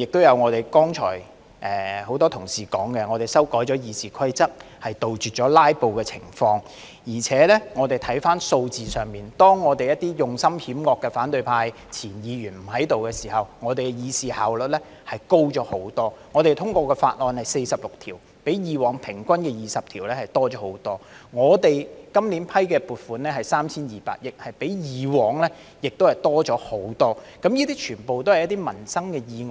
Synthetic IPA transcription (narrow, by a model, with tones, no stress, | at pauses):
jɪ˨k̚t̪o˥wjɐ˨˧wŋɔː˨˧t̪e˨jkɔː˥ŋt͡ʃʰɔ̰ː˨˩j | ʔɛː˨ho˨˥wt̪ɔː˥t̪ʰʊ˨˩ŋsiː˨kɔ̰ː˨˥ŋkɛ˧ŋɔː˨˧t̪e˨jsɐ˥wkɔː˨˥jt͡ʃɔː˨˥jiː˨˧siː˨kʰɐ˥jt͡sɐ˥k̚ | hɐ˨jt̪o˨wt͡ʃyː˨t̚t͡ʃɔː˨˥laː˥jpo˨˧wkɛː˧t͡sʰɪ̰˨˩ŋfɔː˧ŋ | jiː˨˩t͡sʰɛː˨˥lɛ˥ŋɔː˨˧t̪e˨jt̪ʰɐ˨˥jfaː˥nso˧wt͡siː˨sœː˨˩ŋmiː˨nt̪ɔː˥ŋːɔː˨˧t̪e˨jɐ˥t̚t̪iː˥jʊ˨ŋsɐ˥mhiː˨˥mŋɔː˧kːɛː˧faː˨˥nt̪ɵ˧ɥpʰaː˧j | t͡sʰiː˨˩njiː˨˧jyː˨˩nm̩˨˩hɐ˨˥jt̪o˨wkɛː˧siː˨˩hɐ˨wŋɔː˨˧t̪e˨jɡɛ˧jiː˨˧siː˨˧ha̰ː˨˩wlɵ˨t̚lɛ˥ | hɐ˨jko˥wt͡ʃɔː˨˥ho˨˥wt̪ɔː˥ŋɔː˨˧t̪e˨jt̪ʰʊ˥ŋkʷɔː˧kɛː˧fa̰ː˧t̚lɔː˨˧nhɐ˨jse˧jsɐ˨p̚lʊ˨k̚t̪ʰiː˨˩w | pe˨˥jjiː˨˧wɔː˨˧ŋpʰɪ˨˩ŋkʷɐ˥nkɛː˧jiː˨˩sɐ˨p̚t̪ʰiː˨˩wlɛː˥hɐ˨jt̪ɔː˥t͡ʃɔː˨˦˥ho˨˥wt̪ɔː˥ŋɔː˨˧t̪e˨jkɐ˥mliː˨˥npʰɐ˥jkɛː˧puː˨t̚fuː˨˥nɛː˥hɐ˨˩jsaː˥mt͡sʰiː˥njiː˨pa̰ː˧˥t̚jɪ˨k̚hɐ˨jpe˨˥jjiː˨˧wɔː˨ŋlɛ˥ | jɪ˨k̚t̪o˥whɐ˨jt̪ɔː˥t͡ʃɔː˨˥ho˨˥wt̪ɔː˥kɐ˨˧˥mjiː˥t̪iː˥t͡ʃʰyː˨˩npo˨wt̪o˥whɐ˨jɐ˥t̪̬iː˥mɐ˨˩nsɐ˥ŋkɛː˧jiː˨˧ŋ˨